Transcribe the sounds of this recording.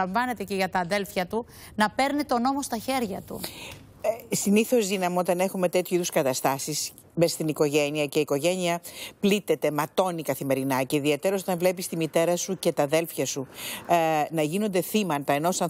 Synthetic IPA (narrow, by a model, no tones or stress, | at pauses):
ɐɱvɐne̞t̪eceʝɐt̪ɐːðe̞lfçɐt̪u | nɐpe̞ɾnit̪o̞no̞mo̞st̪ɐçe̞ɾʝɐt̪ṵ | siniθo̞zðinɐmot̪ɐne̞xume̞t̪e̞t̪çuiðuskɐt̪ɐst̪ɐsis | mest̪iniko̞ʝe̞niɐce̞iːko̞ʝe̞niɐplit̪e̞t̪e̞mɐt̪o̞nikɐθime̞ɾinɐceiðiet̪e̞ɾos̬o̞t̪ɐɱvle̞pist̪imit̪e̞ɾɐsuce̞t̪ɐðe̞lfçɐsu | nɐʝino̞nd̪e̞θimɐnt̪ɐeno̞sɐn